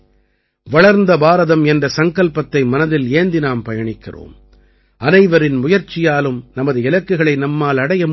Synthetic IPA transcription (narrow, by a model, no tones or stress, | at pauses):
ʋɐɭɐɾnd̪ɐbaːɾɐðɐmɛndrɐsɐŋkɐɭpɐt̪ːɐɪmɐnɐðɪleːnd̪ɪnaːmpɐjɐɳɪkːɪ̰ro̰ːm | ʔɐnɐɪʋɐɾɪnmʊjɐɾt͡ʃːɪjaːlɯmnɐmɐðɯɪlɐkːɯɣɐɭɐɪnɐmːaːlɐɽɐjɐm